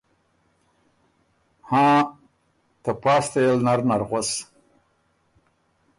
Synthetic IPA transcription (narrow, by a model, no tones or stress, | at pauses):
hãː | t̪apaːst̪ejelnaɾnaɾʁʷas